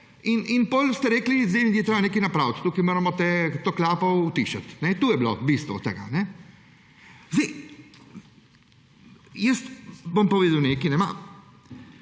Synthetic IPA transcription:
ininpɔlst̪ɛɾɛːklizeɪnijɛt̪ɾeːbanekinapɾawt̪t̪uːkimoːɾamɔt̪et̪oːklaːpɔut̪iːʃat̪nɛt̪uːjɛblobist̪ʋɔ̰t̪ɛɡa̰nɛ | zd̪eɪj | jəst̪bompɔʋeːd̪ɐwnekinɛma̰

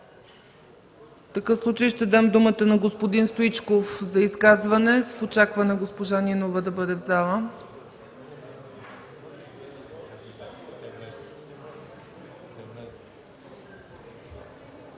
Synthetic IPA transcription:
ft̪ɐkɤfslˠut͡ʃəjʃt̪ɛd̪amd̪umət̪ənɐɡospod̪inst̪oit͡ʃkofzɐiskazvɐnɛfot͡ʃakvɐnɛɡospoʒaninovəd̪ɐbɤd̪ɛvzalˠə

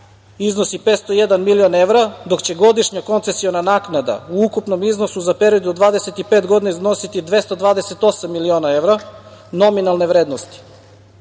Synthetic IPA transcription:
izno̞sipeːt̪st̪ojed̪anmilione̞ʋɾad̪o̞kt͡ɕe̞ɡo̞d̪iʃɲako̞nt̪sesionanaːknad̪a̰uukupno̞miznosuzape̞ɾiod̪od̪ʋaːd̪eset̪ipeːt̪ɡo̞d̪inaizno̞sit̪id̪ʋe̞st̪od̪ʋaːd̪ese̞t̪o̞samːilionae̞ʋɾano̞minalˠne̞ʋɾe̞ːd̪nost̪i̥

